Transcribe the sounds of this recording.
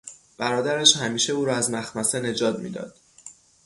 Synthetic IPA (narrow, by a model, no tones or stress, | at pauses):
b̥æɾɒːd̪æɾæʃhæmiːʃe̞uːɾɒːæzmæxmæsene̞d͡ʒɒːt̪mḭːd̪ɒ̰ːd̪̥